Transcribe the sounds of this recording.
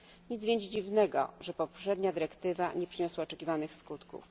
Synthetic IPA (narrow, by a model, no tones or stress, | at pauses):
ɲit̪zvʲjɛɲd͡ʑd͡ʑivnɛɡɔ̰ʐɛpɔpʂɛd̪ɲad̪ɘɾɛkt̪ɘva̰ɲɛpʂɘɲɔswaɔt͡ʂɛkʲivanɘxskut̪kṵf